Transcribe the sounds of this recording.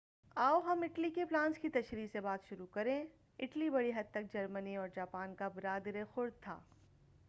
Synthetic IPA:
aːoɦɐmɪʈlikeplãːnskit̪ɐʃɾiːsebaːt̪ʃʊɾukɐɾẽː | ɪʈlibɐɽiɦɐd̪̚t̪ɐk̚d͡ʒɐɾməniɔːɾd͡ʒaːpaːnkabɪɾaːd̪ɾexʊɾ̚t̪ʰːa̰ː

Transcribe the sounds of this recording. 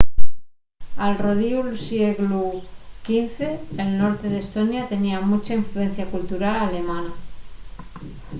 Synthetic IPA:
alroð̞iulsjeɣlukinθe̞ːlno̞ɾt̪e̞ð̞est̪onjat̪e̞niamut͡ʃaiɱfluẽ̞n̟θjakult̪uɾalale̞mãna

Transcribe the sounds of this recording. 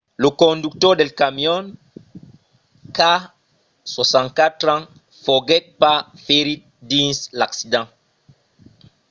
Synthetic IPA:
lukõnd̪uk̚t̪oɾd̪elkamjon | ka | swosãŋkat̪ɾãŋ | foɡet̪̚pafeɾit̪̚ | d̪ĩnslaksid̪ãŋ

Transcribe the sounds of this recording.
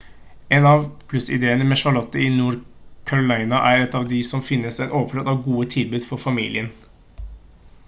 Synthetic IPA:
eːnɑʋpʰlʉsɪ̰d̪eːənəmɛːʃɑɭɔt̪ːəɪnuːɾkʰɑɹɔlɑɪnɑʔæɾɛt̪ːɑːʋd̪ɪsɔmfɪnːəsɛt̪oːʋəfløt̪ɑʋɡuːət̪ʰɪlbʉːd̪fɔɾfɑmḭːlɪən

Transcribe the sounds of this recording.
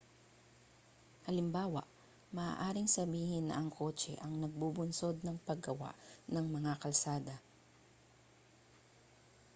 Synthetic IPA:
hɐlɪmbaːwɐ̰ʔ | mɐʔa̰ːʔaːɾɪŋsɐbiːhɪnːɐ̰ʔɐŋkʰo̞ːt͡ʃɛ̰ʔɐŋnɐɡ̚bubʊnso̞d̪̚nɐŋpɐɡɐwa̰ʔnɐŋmɐŋakɐlsaːd̪ɐ

